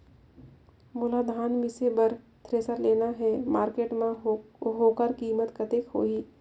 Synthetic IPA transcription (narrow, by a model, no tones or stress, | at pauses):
mʊlad̪ʱaːnmɪsebɐɾ | t̪ʰɾeːsəɾleːnaɦɛmaːɾkeːʈmãɦoːkəɾkiːmət̪kət̪ekɦo̰ːiː